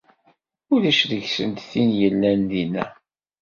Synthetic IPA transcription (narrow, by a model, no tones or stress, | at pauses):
ʊlæʃðəçsə̰nt̪θinjəlːænðinæ̰